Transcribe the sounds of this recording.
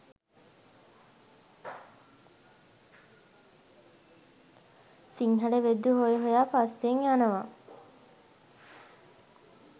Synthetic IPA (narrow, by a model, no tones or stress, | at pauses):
siŋɦɐɖeʋed̪ːuɦojeɦojaːpaseŋjanəʋa